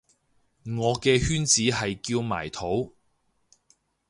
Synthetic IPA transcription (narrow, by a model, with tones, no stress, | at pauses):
ŋɔː˨˧kɛː˧hyː˥nt͡siː˨˥ɦɐ˨jkiː˧wma̰ː˨˩jt̪ʰo˨˥w